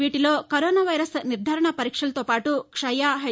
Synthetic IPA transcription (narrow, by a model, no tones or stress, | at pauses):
iːʈilo̞ːkɐɾɔːnaːʋɐjɾɐsniɾd̪ʱaːɾɐɳɐpɐɾiːkʂɐlɐt̪oːpaːʈukʂɐjaːɦɐ